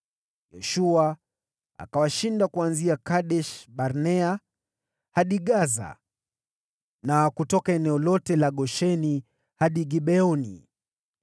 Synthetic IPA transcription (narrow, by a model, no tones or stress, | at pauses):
jɛʃua | a̰kawaʃindakuanziakaɗɛʃɓaɾnɛa | haɗiɠaza̰ | nakutɔkaɛnɛɔlɔtɛlaɠɔʃɛni | haɗiɡiɓɛɔnḭ